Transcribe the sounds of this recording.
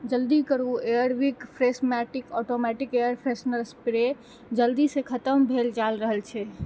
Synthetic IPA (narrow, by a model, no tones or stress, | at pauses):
d͡ʒəld̪ikəɾueəɾʋikpʰɾesmɛʈɪkɔʈomɛʈikejəɾpʰɾesnəɾspɾe | d͡ʒəld̪isekʰət̪əmbʱeld͡ʒalɾəɦəlt͡ʃʰɛ